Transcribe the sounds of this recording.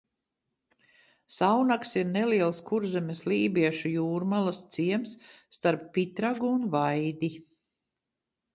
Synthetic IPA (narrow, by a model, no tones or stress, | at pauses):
sawnaksiɾnɛliɛlˠskuɾzɛmʲɛslˠiːbiɛʃujuːɾmalˠast̪siɛmsːt̪aɾpːit̪ɾaɡuːnvajd̪i